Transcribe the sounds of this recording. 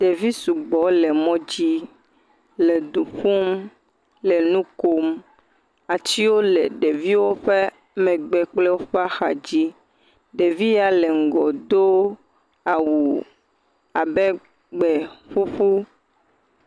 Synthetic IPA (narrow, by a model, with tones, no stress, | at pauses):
ɖe˨vi˦su˨ɡ͡bɔ˨le˨mɔ̃˦d͡ʑi˦ | le˨d̪u˨ɸu˦m | lɛ˨nũ˦ko˦m | a˨t͡ɕi˦wo˦le˨ɖe˨vi˦wo˦ɸe˦ | mɛ̃˨ɡ͡bɛ˨k͡ple˦wo˦ɸa˦xa˨d͡ʑi˦ | ɖe˨vi˦ja˨le˨ŋ̩˨ɡɔ˨d̪o˦ | a˨wu˨ | a˨bɛ˦ | ɡ͡bɛ˨ɸu˦ɸu˦